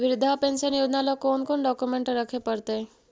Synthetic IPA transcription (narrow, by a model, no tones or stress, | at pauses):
ʋɪɾɪd̪ʱapẽnʃənjod͡ʒnalɔkoːnkonɖɔkumẽɳʈɾəkʰepəɾt̪e